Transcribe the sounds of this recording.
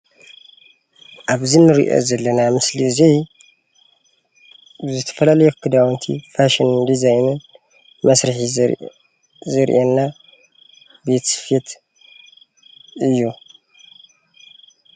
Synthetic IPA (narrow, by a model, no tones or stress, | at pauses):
ʔaβzinɨɾḭʔo̰zɐlːɐnamɨslizej | zɨt̪ʰɐ̥fɐlalɐjukʰɨd̪awnt̪ʰḭfaʃinnd̪izajnɐ | mɐsɾɨħi | zɨɾʔenːa | bet̪ʰsɨ̥fet̪ | ɨjːu